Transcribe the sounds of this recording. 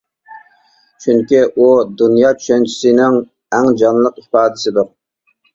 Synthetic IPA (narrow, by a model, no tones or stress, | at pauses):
t͡ʃʰyŋkʲiʔud̪unjɑːt͡ʃʰy̥ʃɛnt͡ʃʰi̥sɪnɪŋ | ɛŋd͡ʒɑnlˠəqipɑːd̪ɪsɪd̪ʊɾ